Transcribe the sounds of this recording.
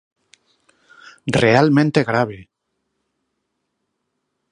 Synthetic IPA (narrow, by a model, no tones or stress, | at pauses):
realmẽnt̪eɣɾaβ̞e